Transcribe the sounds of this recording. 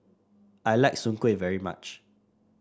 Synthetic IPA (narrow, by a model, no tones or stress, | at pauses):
ʔajlaɪk̚sũŋkwevɛɹima̰t͡ʃ